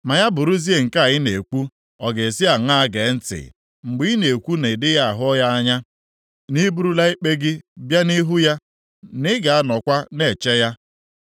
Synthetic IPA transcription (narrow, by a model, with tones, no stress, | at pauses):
ma˨ja˦bʊ˨ɾʊ˦zi˦e˦˨ŋ̩˨ka˦˨jɪ˦ne˨kʷu˦ | ɔ˨ɡe˨si˦a˨ŋa˦a˦ɡe˨˦n̩˦tɪ̰˨ | ŋ͡m̩˨ɡ͡bi˦i˦ne˨kʷu˦ne˨dɪ˦ja˦a˨ɦʊ˦ɔ˦ja˦a˦ɲa˦ | ni˦bu˦ɾu˦la˦i˦k͡pe˦ɡɪ˦bja˦ni˦ɦu˦ja˦ | nɪ˦ɡa˨a˦nɔ˨kʷa˦ne˨t͡ʃɛ˦ja˦